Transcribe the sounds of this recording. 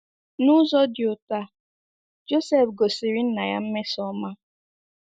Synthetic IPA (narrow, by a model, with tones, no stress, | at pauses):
nʊ˦zɔ˦djʊ˨ta˦ | d͡ʒo˦se˦˨fɡo˨si˨ɾi˦n̩˦na˨ja˦m̩˦me˦sɔ˦ma˦